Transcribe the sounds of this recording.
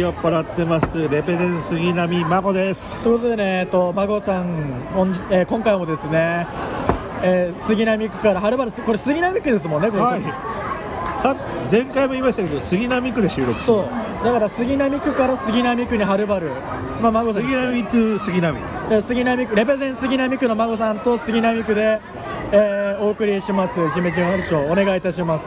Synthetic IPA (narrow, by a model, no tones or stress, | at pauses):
jopːaɾat̪ːe̞masɨɾe̞pezẽsɨɡʲinamʲimaɡo̞d̪e̞sɨ̥oikot̪od̪e̞ne̞ːt̪ːo̞maɡo̞sãŋõɲieːkõŋkaimo̞d̪e̞sɨne̞ | eːsɨɡʲinamʲikɯ̟kaɾaɦaɾɯ̟baɾɯ̟sɨko̞ɾe̞sɨɡʲinamʲikːɯ̟d̪e̞s̬ɨmõnːekoai | sa | zẽ̞ŋkaimoimait̪aked̪osɨɡʲinamʲikɯ̟d̪eɕɨːɾokɯ̥so̞ː | d̪akaɾasɨɡʲinamʲikɯ̟kaɾasɨɡʲinamʲikɯ̟ɲ̟iɦaɾɯ̟baɾɯ̟ | mamaɡosaiamʲikɯsɨɡʲinamʲḭ | esɨɡʲinamʲikɯ̟ɾe̞bezẽɰ̃sɨɡʲinamʲikɯ̟no̞maɡo̞sãnt̪o̞sɨɡʲinamʲikɯ̟d̪e̞ː | o̞ːkɯ̟ɾʲiɕimasɨʑimeʑĩɰ̃aɾɯɕoːne̞ɡait̪aɕimasɨ̥